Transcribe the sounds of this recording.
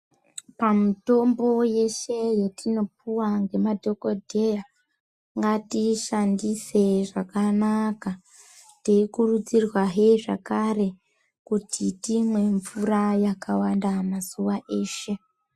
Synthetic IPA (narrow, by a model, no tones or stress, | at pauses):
pamuto̞mbo̞je̞ʃe̞jetino̞p̚uwaŋɡe̞madʱo̞ko̞dʱe̞ja | ŋɡatiʃandise̞ʐakanaka | teikurud͡zirwaɦeʐakare̞ | kutʰitimwe̞ɱvurajakawandamazuʋaʔe̞ːʃe̞